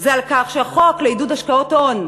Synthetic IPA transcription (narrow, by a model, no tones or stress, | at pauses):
zealkaχʃeaχoakleidudhaʃkaoton